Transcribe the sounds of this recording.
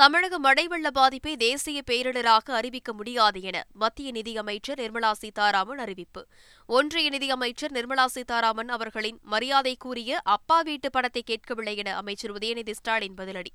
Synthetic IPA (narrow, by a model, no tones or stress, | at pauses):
t̪ɐmɪɻɐɣɐmɐɽɐɪʋɐɭːɐbaːðɪpːeːd̪eːsɪjɐpejɐɾɐɭɐɾaːɣɐɐɾɪʋɪkːɐmʊɽɪjaːðɐɛnɐ̰mɐt̪ːɪjɐnɪðɪɐmɐɪt͡ʃːɐɾnɪɾmɐlaːsit̪aːɾaːmɐnɐɾɪʋɪpːɯ | ɔndrɐjɐnɪðɪɐmɐɪt͡ʃːɐɾnɪɾmɐlaːsit̪aːɾaːmɐnɐʋɐɾɣɐɭɪnmɐɾɪjaːðɐɪkːuːrɪjɐʔɐpːaːʋiːʈːɯpːɐɳɐt̪ːɐɪkːeːʈ̚kɐʋɪɭːɐjɐnɐɐmɐɪt͡ʃːɐɾɯʋɐðɪjɐnɪðɪsʈaːɾɪnbɐðɪlɐɽi